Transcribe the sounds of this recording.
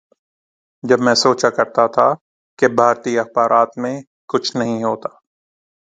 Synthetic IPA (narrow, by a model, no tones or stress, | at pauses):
d͡ʒɐbmɛ̃ːsoːt͡ʃakɐɾt̪at̪ʰa | kebʱaːɾt̪iɐxbaːɾʔaːt̪mẽ | kʊt͡ʃʰnɐɦĩɦoːt̪ḁː